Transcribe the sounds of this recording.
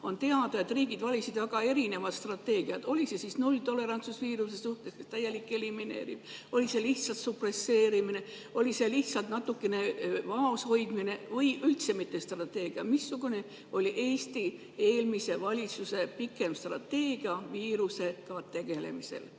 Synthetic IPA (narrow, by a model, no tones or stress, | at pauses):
o̞nt̪e̞ɑd̪̥ɑe̞t̪riːɡ̥id̪vɑlʲisid̪væɡ̥ɑe̞ɾine̞vɑt̪st̪rɑt̪ːe̞ːɡ̥iɑd̪̥o̞lʲise̞sisnulːt̪o̞le̞ɾɑnsusviːɾuse̞suht̪e̞skest̪æje̞likːˑe̞limine̞̰ːɾḭb̥̚o̞lʲise̞liht̪sɑlt̪supresːe̞ːɾimine̞ | o̞lʲise̞liht̪sɑlt̪nɑt̪ːˑukːene̞vɑosho̞jd̪mine̞vɯjylt̪se̞mit̪ːest̪rɑt̪ːe̞ːɡ̥iɑmisːuɡ̥une̞ | o̞lʲiʔe̞ːst̪i | e̞ːlmise̞vɑlʲit̪suse̞pikːˑe̞mst̪rɑ̰t̪ːe̞ːɡ̥iɑviːɾuse̞kɑt̪e̞ɡ̥e̞le̞̰mise̞̰l